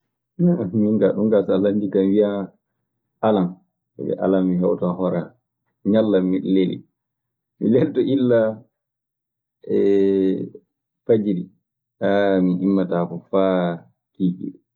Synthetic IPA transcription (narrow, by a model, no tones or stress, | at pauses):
amiŋɡaɗuŋɡasalandikamwija | ʔalan | ɛ̰ɛ̰ʔa̰lamːiɦɛwtaɦɔɾa | ɲalːamilelḭ | mḭleltɔʔilːa | ɛ | fad͡ʒiɾi | aminʔimːatafɔfa | kiːkḭ